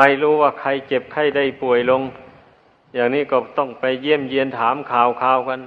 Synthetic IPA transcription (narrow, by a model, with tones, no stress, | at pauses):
aː˧˩jluː˧˩waː˧˩kʰa˧˩jke˧p̚kʰa˧˩jda˧˩jpu˨˩əjlo˧ŋ | jaː˨˩ŋniː˧˥˩kɔː˧˩t̪ɔ˧˩ŋpa˧jːi˧˥˩əmji˧ənt̪ʰaː˨˦mkʰaː˨˩wkʰaː˧˩wka˧n